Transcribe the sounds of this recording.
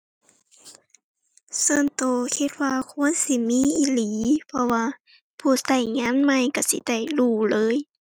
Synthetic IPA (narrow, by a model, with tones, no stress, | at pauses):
soː˧˨nt̪oː˧˩kʰi˧t̪̚waː˧kʰu˧˥ə˨nsi˧˩˨miː˧˥˨ʔi˧˩liː˨˦pʰɔ˧waː˧ | pʰuː˧˩sa˧˩jŋaː˧˥˨nma˧˨jka˧˩sḭ˧˦da˨˩jluː˧˩lɤː˧˥˨j